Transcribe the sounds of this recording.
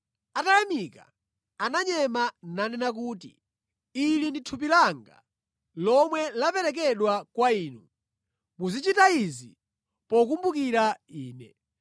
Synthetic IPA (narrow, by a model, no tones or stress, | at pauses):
atajamika̰ | anaɲɛmananɛnak̬uːti | ilinditʰup̬ilaŋɡa̰ | lɔmwɛlapɛɾɛk̬ɛɗwakwaiːnu | muzit͡ʃitaizi | pɔkumbukiɾaiːnɛ̰